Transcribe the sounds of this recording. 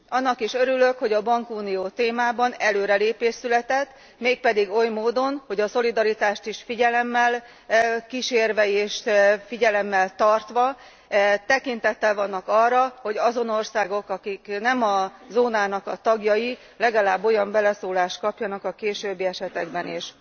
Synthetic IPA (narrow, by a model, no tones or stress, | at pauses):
ɒnːɒkiʃøɾylø̞kho̞ɟɒbɒŋkuːnijoːt̪eːmaːbɒnɛløːɾɛleːpeːʃsylɛt̪ɛt̪ː | meːk̚pɛd̪iɡo̞jmoːd̪o̞nho̞ɟɒso̞lid̪ɒɾit̪aːʃt̪iʃfiɟɛlɛmːɛl | kiʃeːrvɛeːʃfiɟɛlɛmːɛlt̪ɒrt̪ʋɒ | t̪ɛkint̪ɛt̪ːɛlvɒnːɒkɒrːɒho̞ɟɒzo̞no̞rsaːɡo̞kɒkiknɛmɒzoːnaːnɒkɒt̪ɒɡjɒji | lɛɡɒlaːbːo̞jɒmbɛlɛsoːlaːʃt̪̚kɒpjɒnɒkɒkeːʃøːbːiɛʃɛt̪ɛɡbɛniʃ